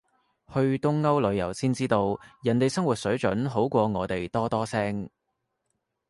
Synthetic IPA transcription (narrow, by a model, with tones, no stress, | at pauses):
hɵ˧ɥt̪ʊ˥ŋːɐ˥wlɵ˨˧ɥjɐ˨˩wsiː˥nt͡siː˥t̪o˧wjɐ˨˩nt̪e˨jsɐ˥ŋwuː˨˩t̚sɵ˨˥ɥt͡ʃɵ˨˥nɦo˨˥wkʷɔː˧ŋɔː˨˧t̪e˨jt̪ɔː˥t̪ɔː˥sɛː˥ŋ